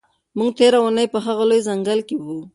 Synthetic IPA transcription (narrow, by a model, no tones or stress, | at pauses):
muŋɡt̪eɾawunəjpəɦaɣalojzaŋɡəlkewu